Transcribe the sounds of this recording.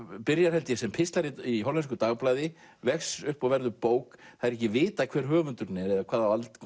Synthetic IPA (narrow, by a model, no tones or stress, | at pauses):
pɪɾjaɾ̥hɛlt̪jɪsɛmpʰɪst̪laɾiiɦowlɛnskʏt̪aɣplajðɪ | vɛxsʏhpɔɣvɛɾðʏpoːwkθaðɾɛhcːɪvɪːt̪akʰvɛːɾ̥ɦœːvʏnt̪ʏɾnɛɾɛðakʰv̥aːðavalt̪